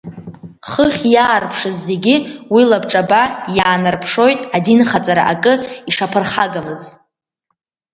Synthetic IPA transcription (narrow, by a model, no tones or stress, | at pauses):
χəχʲjaːrpʰʂɨzːe̞ɡʲiwilabʈ͡ʂʼabajaːnɨrpʰʂo̞jtʼadinχat͡sʼaɾa̰ʔakʼɨiʂapʰɨrχaɡamɨz